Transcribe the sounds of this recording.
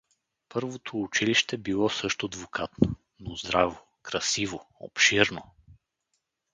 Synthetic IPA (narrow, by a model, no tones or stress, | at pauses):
pɤɾvot̪ʰoːt͡ʃiliʃt̪ɛbilˠɔsɤʃt̪od̪vokʰat̪no | nozd̪ɾavo | kɾɐsivoo̰pʃiɾno